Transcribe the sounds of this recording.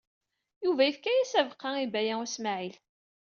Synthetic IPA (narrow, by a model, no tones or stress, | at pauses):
juvæjifkæjæsævqːɑibæjææsmaʕil